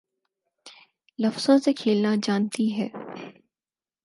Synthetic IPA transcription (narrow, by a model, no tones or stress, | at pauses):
lɐfz̥õsekʰeːlnad͡ʒaːnt̪iɦɛː